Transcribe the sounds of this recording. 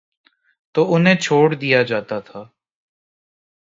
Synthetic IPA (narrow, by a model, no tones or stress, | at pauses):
t̪oːʊnɦẽːt͡ʃʰoːɽd̪ɪjaːd͡ʒaːt̪aːt̪ʰaː